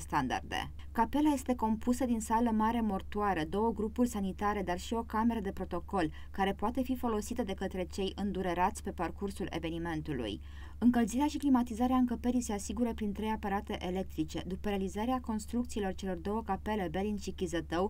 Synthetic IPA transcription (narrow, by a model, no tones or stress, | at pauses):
st̪and̪a̰rd̪ḛ | kape̞laje̞st̪e̞ko̞mpʰusəd̪insaləmaɾe̞mo̞rt̪uaɾəd̪o̞wəɡɾupurʲsanit̪aɾe̞d̪arʃio̞kame̞ɾəd̪e̞pɾo̞t̪o̞ko̞l | kaɾe̞poat̪e̞fifo̞lo̞sit̪əd̪e̞kət̪ɾe̞t͡ʃe̞jʔɨnd̪uɾeɾat̪sʲpe̞parkursule̞̰ve̞nime̞nt̪ulṵj | ɨŋkəlziɾeaʃiklimat̪izaɾeaɨŋkəpeɾijse̞asiɡuɾəpɾint̪ɾe̞japəɾat̪e̞ʔele̞k̚t̪ɾit͡ʃe̞d̪upəɾealizaɾeako̞nst̪ɾuk̚t̪siːlo̞rt͡ʃe̞lo̞rd̪o̞wəkape̞le̞be̞linʃikʲizət̪əw